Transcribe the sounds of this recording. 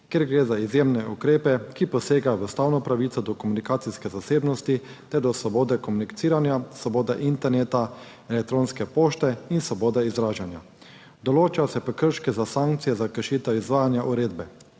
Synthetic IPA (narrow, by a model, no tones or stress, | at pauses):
keɾɡɾeːzaizjeːmnɛukɾeːpɛkipɔseːɡajɔʋəst̪awnɔpɾaʋiːt̪sɔd̪ɔkɔmunikaːt̪siskɛzaseːbnɔst̪it̪ɛɾd̪ɔsʋɔboːd̪ɛkɔmunikt̪siːɾanjasʋɔboːd̪ɛʔint̪ɛɾneːt̪a | ɛlɛk̚t̪ɾoːnskɛpoːʃt̪ɛinsʋɔboːd̪ɛizɾaːʒanja̰ | d̪ɔloːt͡ʃasɛpɛkəɾʃkɛzasaŋkt̪sijɛzakəɾʃiːt̪ɛwizʋaːjanjaʔuɾeːd̪bɛ